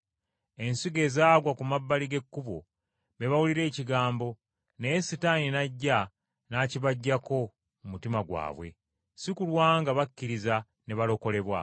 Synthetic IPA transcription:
e̞nsiɡe̞ːzaːɡwakumabːaliɡe̞kːuβo̰ | βe̞βawuliɾe̞ːciɡaːmbo̞ | nejesitaninaɟːa | naciβaɟːako̞ | mumutimaɡwa̰ːβwe̞̰ | sikulwaːŋɡaβakːiɾiza | ne̞βalo̞ko̞le̞βwa̰

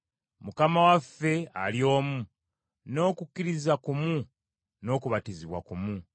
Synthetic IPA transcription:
mukamawafːe̞a̰ljo̞ːmu | no̞ːkukːiɾizakumu | no̞ːkuβatiziβwa̰kumu

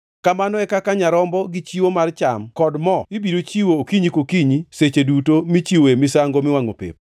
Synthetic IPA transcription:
kamanɔɛkakaɲaɾɔmbɔɡɪt͡ʃiwomart͡ʃa̰mkɔdmɔibiɾot͡ʃiwookiɲikokiɲiset͡ʃedutomit͡ʃiwemɪsaŋɡomɪwaŋo̰pḛp̚

